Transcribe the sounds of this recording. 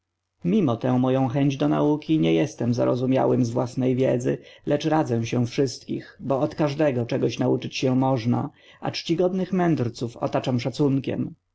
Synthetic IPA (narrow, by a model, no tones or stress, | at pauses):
mʲimɔt̪ɛ̃w̃mɔjɔ̃w̃xɛɲd͡ʑd̪ɔna̰ukʲiɲɛjɛst̪ɛmza̰ɾɔzumʲja̰wɘmzvwasnɛjvʲjɛd̪zɘ̰lʔɛt͡ʂɾad̪zɛ̃ɕɛfʂɘst̪kʲḭxbɔːt̪kaʐd̪ɛɡɔt͡ʂɛɡɔɕnaut͡ʂɘt͡ɕɕɛmɔʐna̰ | a̰t͡ʂt͡ɕiɡɔd̪nɘxmɛnd̪ɾt̪sufɔ̰t̪at͡ʂamʂat̪suŋkʲɛ̰m